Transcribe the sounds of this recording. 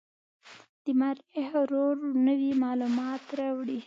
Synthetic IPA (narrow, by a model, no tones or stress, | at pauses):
d̪̥əmaɾehɾoɾnəwimɑlumɑt̪ɾawɽi